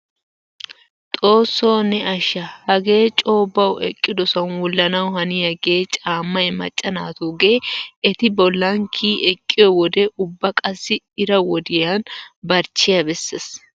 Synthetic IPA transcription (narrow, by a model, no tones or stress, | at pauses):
t̪ʼo̞ːsːoːnɛɐʃːɐhɐɡe̞ːt͡ʃʼo̞ːbːɐwʔɛ̰kʼːɪd̪ɔsɐnwɔlːɐnɐwhɐnɪjɐɡeːt͡ʃʼaːmːɐjmɐ̰t͡ʃʼːɐnaːt̪uːɡeːɛt̪ɪbɔlːɐŋkʰiːʔɛkʼːɪjɔwɔd̪ɛʔʊbːɐkʼɐsːɪ | ɪɾɐwɔd̪ɪjanbɐɾt͡ʃːɪjɐbɛsːes